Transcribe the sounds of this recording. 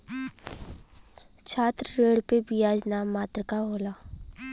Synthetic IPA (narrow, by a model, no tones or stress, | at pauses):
t͡ʃʰaːt̪ɾəɾeːɽpebʱiaːd͡ʒnaːmːaːt̪ɾəkaɦoːlaː